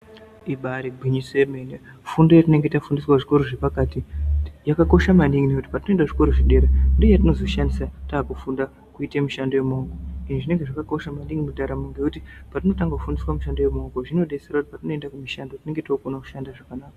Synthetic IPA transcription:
iɓaɾibʱiɲisemene | fundojat̬ine̞ŋɡetafundiswaʐiko̞ɾoʐepakaːtijakako̞ʃamaniŋinekuti̥patinoendaʐiko̞ɾoʐiɗe̞ɾandejatino̞zo̞ʃandisataːkufunda | kuitemiʃando̞jemaukoiniʐine̞ŋɡe̞ʐakako̞ʃamanɗiŋɡimudaɾameŋɡekutipatino̞taŋɡakufundiswamuʃandojemaukoʐino̞ɗeserautipatino̞e̞ndakumiʃando̞tine̞ŋɡe̞tokonaku̥ʃandaʐakanaːka

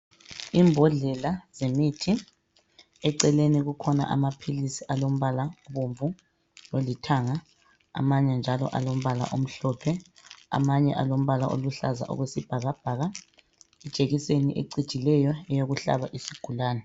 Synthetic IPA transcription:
imbʱɔɮɛlaz̥emitʰi | ɛǀɛleniɣukʰɔna̰ʔa̰mapʰilisiʔalom̩βalaoβuɱvu | lolitʰaːŋa | a̰maɲɛnd͡ʒʱalɔ̰ʔa̰lom̩βala̰ʔom̩ɬɔpʰɛa̰maɲɛʔalom̩βalaʔo̰luɬaza̰ʔɔ̰ɣwesib̥ʱaɣab̥ʱaːɣa | id̥ʒ̥ʱeɣisenḭʔḛǀid̥ʒ̥ʱilɛjɔɛjoɣuɬa̰βaʔisiɡ̥ʱulaːnɛ

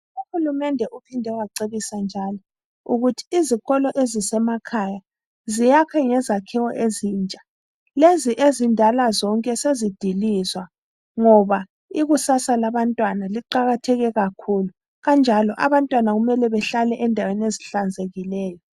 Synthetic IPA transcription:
uhulumɛndʱɛʔupʰindʱɛɣwaǀeβisand͡ʒʱalɔ | uɣutʰi̥ːziɣɔlɔʔezisɛmakʰaja | zijakʰɛŋɛzakʰɛwɔʔeziːnt͡ʃʼḁ | leziʔezindʱalazɔŋkʼɛsezid̥ʱilizwa | ŋɔβa | iɣusasalaβantʼwanaliǃaɣatʰɛɣɛɣakʰulu | ɣand͡ʒʱalɔʔa̰βantʼwanaɣumɛlɛβɛɬalɛʔɛndʱaweneziɬand͡zʱeɣilɛːjɔ

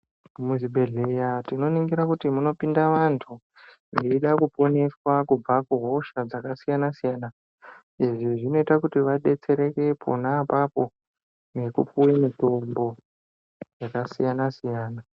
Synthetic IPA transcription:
muziɓe̞ɮejatino̞niŋɡiɾakutimuno̞pindaʋantʰu | neiɗakupo̞ne̞swakub͡vakuɦo̞ʃad͡zakasijanasijana | iʐiʐino̞itakutiʋaɗe̞t͡se̞ɾe̞ke̞pʰo̰naːpapo̞ | ne̞kṵpuwemito̞mbo̞ | jakasijanasijaːna

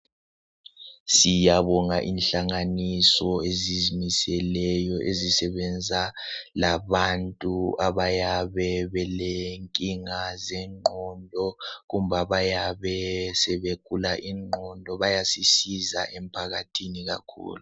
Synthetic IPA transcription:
sijaβɔŋaʔinɬaŋanisɔezizmisɛlɛjɔʔezisɛβɛnd͡zʱalaβantʼuaβajaβɛβɛleŋkʼiŋazɛŋ͡ǃʱɔndʱɔɣum̩βaβajaβɛsɛβekʰʼulaʔiŋ͡ǃʱɔndʱɔβajasisiza̰ʔɛm̩pʰaɣatʰiniɣa̰kʰṵːlu

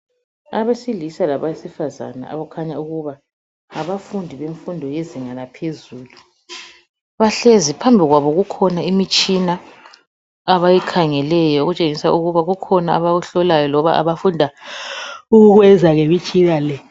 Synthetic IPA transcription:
aβesilisalaβaisifaza̰na̰a̰βɔkʰaɲauɣuβa | aβafundʱiβeɱfundʱɔjeziŋalapʰezuːlu | βaɬezipʰambʱiɣwaβɔɣukʰɔnaimit͡ʃʼina | βajikʰaŋɛlɛjɔoɣut͡ʃʼeŋisauɣuβaɣukʰɔnaaβaɣuɬɔlajɔlɔβaʔa̰βafundʱa | uɣuɣwɛzʱaɣɛβit͡ʃʼilalɛ

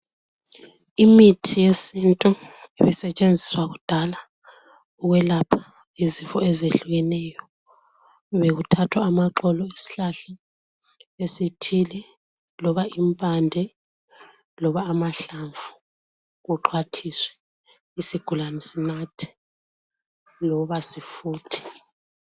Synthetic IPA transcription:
imitʰijesintʼueβisɛt͡ʃʼend͡zʱiswaɣud̥ʱala | uɣwɛlapʰḁ | izifɔezeɬuɣɛnɛjɔ | βeɣutʰatʰwaːmaǃɔlɔesi̥ɬaɬa | esitʰilɛ | lɔβaimpʼandʱɛ | lɔβaːmaɬaɱvu | ɣuǃʰwatʰiswɛ̥ | isiɡ̥ʱulanɛsinatʰi̥ | lɔβasifuːtʰi̥

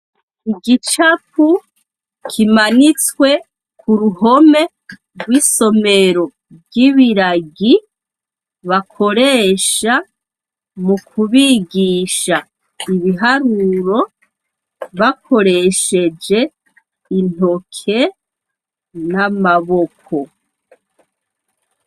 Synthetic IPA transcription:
iɡit͡ʃapu | kʰimanit͡swe̞ | kʰuɾuɦo̞me̞ | ɡɡwiːso̞me̞ɾo̞ | bɟiβiɾaɡi | βakʰo̞ɾe̞ːʃa | mukʰuβiɡiʃa | iβiɦaɾuɾo̞ | βakʰo̞ɾe̞ʃe̞d͡ʒe̞ | in̥o̞kʰe̞ | namaβo̞kʰo̞

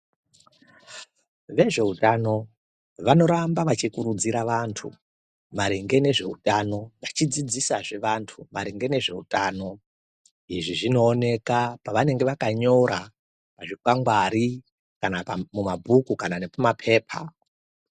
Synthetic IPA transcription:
ʋe̞ʐe̞utano̞ | ʋano̞ɾambaʋat͡ʃikuɾud͡ziɾaʋantʰṵ | maɾiŋɡe̞ne̞ʐe̞utʼano̞ʋat͡ʃid͡zid͡zisaʐe̞ʋantʰumaɾiŋɡe̞ne̞ʐe̞̰ṵtʼaːno̞ | iʐiʐino̞ːne̞kapaʋane̞ŋɡe̞ʋakaɲo̞ɾa | paʐikwaŋɡwaɾi | kanamumabʱukukananepamapʰe̞ːpʰa̰

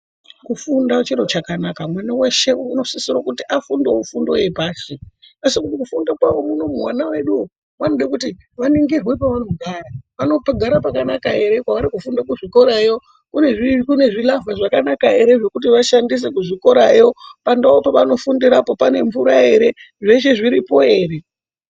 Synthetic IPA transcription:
kufundat͡ʃiɾo̞t͡ʃakanakamwanaweʃe̞uno̞sisirokutiʔafundo̞ufundo̞̰je̞paːʃiasikutikufundokwaʋo̞muno̞muɦwa̰nawe̞ɗuo | manoɗekuti | ʋaniŋɡirwe̞paʋano̞ɡʱaːraʋano̞paɡʱaɾapakanakae̞ɾe̞kwaʋaɾikufundakuʐiko̞ɾajo̞ | kuneʐikune̞ʐilavaʐakanakae̞ɾe̞ʐe̞kutiʋaʃandis̬e̞kuʐiko̞ɾajo̞pandaopaʋano̞fundiɾapo̞pane̞ɱvuɾae̞ɾe̞ | ʐe̞ʃe̞ʐiɾipo̞e̞ːre̞

